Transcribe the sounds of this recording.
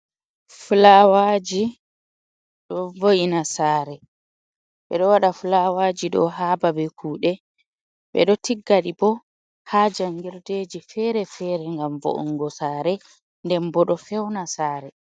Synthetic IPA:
fulawad͡ʒi | ɗɔvojinasaːɾɛ | ɓɛ̰ɗɔwaɗafulawad͡ʒiɗɔ̰ɦababɛkʰuːɗɛ | ɓɛ̰ɗɔtiɡːaɗibɔ | had͡ʒaŋɡiɾdeːd͡ʒifɛɾɛfɛɾɛŋɡamvo̰ʔṵŋɡɔsaːɾɛ | ndɛmbɔɗɔfɛwnasaːɾɛ

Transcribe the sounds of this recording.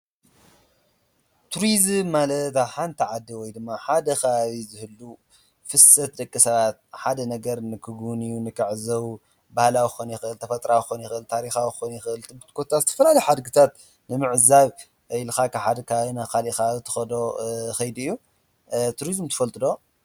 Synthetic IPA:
t̪ʰuɾizmːalɐt̪aβħant̪ʰiʕad̪ːiwɔjd̪ɨmːaħad̪ɐkʰaβaβizɨhɨlːu | fɨsɐt̪̚d̪ɐkʼːisɐβat̪̚ħad̪ɐnɐɡɐɾnɨkʰɨɡunijunɨkʰɨʕzɐw | bahlawixonjɪxɨʔɨlt̪ʰɐfɐt̪ʼɾawxonjɪxɨʔɨlt̪ʰaɾixawixonjɪxɨʔɨlt̪ʼɨbɨt̪kʰot̪ʰːazɨt̪ʰɐ̥fɐlalɐjħad̪ɡɨt̪ʰat̪ | nɨmɨʕzaβ | jlxakʰaħad̪kʰaaβinaxalixaβaβit̪ʰɐ̥xɐd̪oxɐjd̪ɨjːu | t̪ʰuɾizmt̪ʰɨ̥fɐlt̪ʼɨd̪o̞

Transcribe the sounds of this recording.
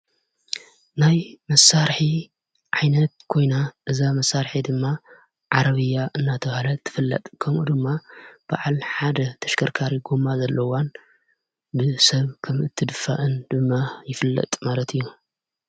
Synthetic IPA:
najmɐsːaɾħi | ʕajnɐt̪̚kʰo̞jnaʔɨzamɐsːaɾħid̪ɨmːa | ʕaɾɐβɨjaʔɨnːat̪ʰɐβhlɐt̪ʰːɨ̥fɨlːɐ̰t̪ʼkʰɐmʔud̪ɨmːab̥a̰ʕalħad̪ɐt̪ʰɐʃkʰɐɾkʰaɾiɡomazɐlːɐwan | bɨsɐβkʰɐmɨt̪ʰːɨd̪ɨfːa̰ʔɨnd̪̥ɨmːajɪfɨlːɐ̰t̪ʼmalɐt̪ʰɨjːu

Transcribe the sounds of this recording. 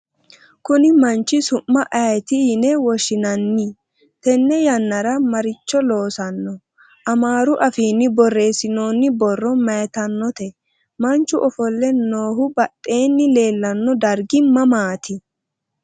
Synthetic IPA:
kʊnɪmɐnt͡ʃːɪsʊmːɐʔɐjt̪ɪnɛwɔʃɪnɐnːi | t̪ɛnːɛjɐnːɐɾɐmɐɾɪt͡ʃːɔlo̞ːsɐnːɔ | ʔɐmaːɾʊʔɐfiːnːɪbɔrːe̞ːsɪnoːnːɪbɔrːɔmɐjɛt̪ɐnːɔt̪ɛ | mɐnt͡ʃːʊʔɔfɔlːɛnoːhʊbɐt̪ʼːe̞ːnːɪle̞ːlːɐnːɔd̪ɐɾɡɪmɐmaːt̪ʰɪ

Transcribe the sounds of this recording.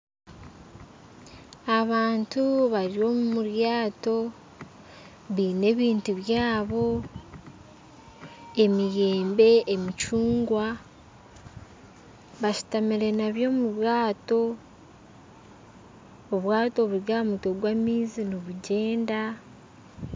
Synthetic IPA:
aβaːntuβaɾio̞mumuɾjaːto̞ | βiːne̞βiːntuβjaːβo̞ | e̞mije̞ːmbe̞ʔemit͡ʃuːŋɡwa | βaʃu̥tamiɾe̞naβjo̞ːmuβwaːto̞ | βwaːto̞βuɾjamutoɡwamiːziniβuɟe̞ːnda

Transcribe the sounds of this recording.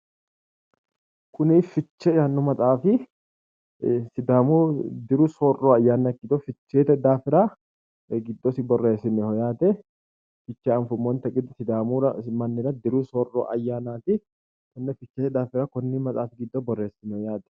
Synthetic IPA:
kʊnifɪt͡ʃːɛjaːnːɔmɐt̪ʼaːfɪ | sɪd̪aːmuːd̪ɪɾusoːrːoːɐjːaːnːɐkːɪd̪ofɪt͡ʃːe̞ːt̪ɛd̪aːfɪɾa | ɡɪd̪ːosɪbɔrːe̞ːsːɪnːɛhɔjaːt̪ɛ | fɪt͡ʃːɛɐnfʊmːɔnt̪ɐɡʼɪd̪sɪd̪aːmuːɾɐmɐnːɪɾɐd̪ɪɾuːsoːrːo̰ːʔɐjːaːnaːt̪ɪ | kʊnːɛfɪt͡ʃːeːt̪ɛd̪aːfɪɾaːkɔnːɪmɐt̪ʼaːfɪɡɪd̪ːobɔrːe̞ːsːɪnːɛhɔjaːt̪ɛ̥

